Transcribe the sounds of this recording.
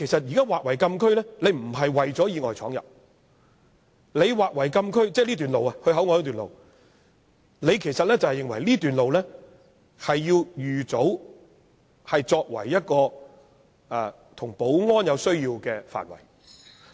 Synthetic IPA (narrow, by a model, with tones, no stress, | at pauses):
kʰe˨˩jsɐ˨t̚jiː˨kaː˥waː˨k̚wɐ˨˩jkɐ˧mkʰɵ˥ɥlɛː˥le˨˧jm̩˨˩ɦɐ˨jwɐ˨˩jt͡sɔː˨˥jiː˨˧ŋɔː˨jt͡sʰɔː˨˥ŋjɐ̰˨˩p̚ | le˨˧jwaː˨˩k̚wɐ˨˩jkɐ˧mkʰɵ˥ɥt͡sɛː˥liː˥t̪yː˨nlo˨wɐ˨hɵ˧ɦɐ˨˥wŋɔː˧jt̪yː˨˩nlo̰˨w | nle˨˧jkʰe˨˩jsɐ˨t̚lɛː˥t͡sɐ˨whɛ˨jːɪ˨ŋwɐ˨˩jliː˥t̪yː˨nlo˨wlɛː˥ | hɐ˨jːiː˧wjyː˨t͡so˨˥w | hɐ˨jt͡sɔː˧k̚wɐ̰˨˩jːɐ˥t̚kɔː˧ | ɐ˨˧ | t̪ʰʊ˨˩ŋpo˨˥wŋɔː˥njɐ˨˧wsɵ˥ɥjiː˧wkɛː˧fa̰ː˨nwɐ̰˨˩j